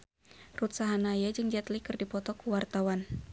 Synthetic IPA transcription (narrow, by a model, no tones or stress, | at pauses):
rut̪saɦanajad͡ʒɨŋd͡ʒat̪likɨrdipɔt̪ɔkuwart̪awan